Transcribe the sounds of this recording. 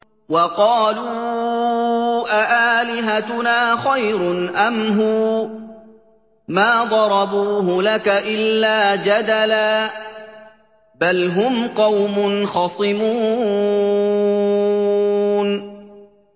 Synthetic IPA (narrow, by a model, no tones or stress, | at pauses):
wɑqɑːluː | ʔaʔaːlɪɦat̪ʊnaːxajɾʊnʔamɦʊ | maːd̪ˤɑɾˤɑbuːɦʊlakaʔɪlːaːd͡ʒad̪alaː | balɦʊmqɑwmʊnxɑsˤɨmuː | n